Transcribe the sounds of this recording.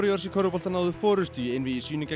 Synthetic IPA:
ɾjɔɾ̥sɪkʰɔɾʏpɔlt̪anaːwðʏfɔːɾʏ̥st̪yːɪnvɪðisyːnɪca

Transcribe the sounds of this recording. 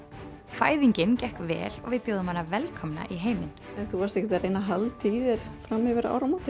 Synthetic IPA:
faːjðiɲcɪncɛhkvɛ̰ːlɔ̰ɣvɪðpjoːwðʏmhanːavɛlkʰɔmna̰ʔiɦeːjmɪnɛnθuvast̪ɛhcɪt̪aɾejnaɦalt̪ʰiːðɪɾ̥fɾamɪvɪɾa̰wɾamat̪ɪ

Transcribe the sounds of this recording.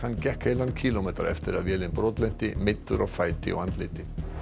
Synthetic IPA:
ancɛhkelankʰiːlomɛːt̪a̰ɾɛ̰ft̪ɪɾavjɛːlɪnpɾɔːt̪lɛn̥t̪ɪmɪt̪ːʏɾʔɔfajt̪ɪ̰ɔ̰ant̪lɪ̰t̪ɪ

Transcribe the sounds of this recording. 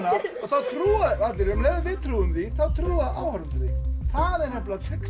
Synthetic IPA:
naɔθaðt̪ʰɾuːaat̪lɪɾɛmlɛːvvɪt̪ʰɾuʏmθiθaðt̪ʰɾuːaðʔa̰hɔɾθiθaðɛɾ̥nɛplat̪ʰɪk

